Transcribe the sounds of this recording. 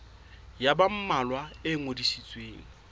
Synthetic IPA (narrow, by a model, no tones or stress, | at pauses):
jabam̩malwaeŋodisit͡sʼweːŋ̩